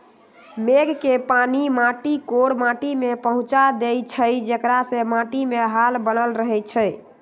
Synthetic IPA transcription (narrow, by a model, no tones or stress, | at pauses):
meɡkepanimaʈikoɽmãʈimepəɦũt͡ʃad̪et͡ʃʰəjd͡ʒəkɾasẽmãʈimeɦalbənəlɾəɦɛt͡ʃʰəj